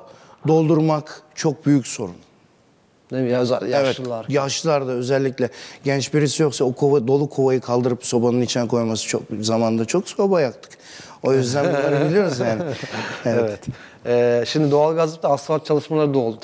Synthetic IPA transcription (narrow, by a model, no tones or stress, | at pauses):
d̪o̞lˠd̪uɾmakt͡ʃʰo̞k̚byjycso̞ɾun | nejzjɛvɛtlˠaɾjaʃɯlˠaɾd̪aø̞zɛlʲːicʲlʲɛɟɛnt͡ʃbiɾisijo̞ksaokʰovad̪o̞lˠukʰo̞βajɯkʰalˠd̪ɯɾɯpso̞banɯnit͡ʃʰinɛkʰo̞jmasɯ̥t͡ʃʰo̰kzamand̪at͡ʃʰo̞kso̞bajakt̪ʰɯ̥k | o̞jøzd̪ænb̪uaɾɯbilʲijo̞ɾuzjaːnɪevɛvɛt̪ | ɛːʃimd̪ɪd̪oalˠɡazɯp̚t̪ʰaːsant͡ʃʰalˠɯʃmalˠaɾɯd̪olˠ